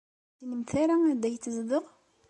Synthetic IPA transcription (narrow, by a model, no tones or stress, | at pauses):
inəmθaɾaæd̪æjt͡sːəzðəʁ